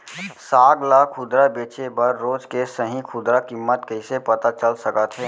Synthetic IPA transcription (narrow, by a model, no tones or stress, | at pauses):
saːɡlaːkʰʊd̪ɾabeːt͡ʃebəɾːoːd͡ʒkesəɦĩkʰʊd̪ɾakɪmːət̪kəɪsepət̪at͡ʃəlsəkət̪ɦɛː